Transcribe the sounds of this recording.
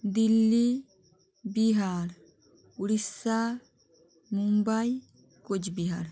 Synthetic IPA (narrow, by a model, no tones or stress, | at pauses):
d̪ilːi | biɦaːɾ | uɽisːa | mumbaj | kod͡ʒbiɦa̰ɾ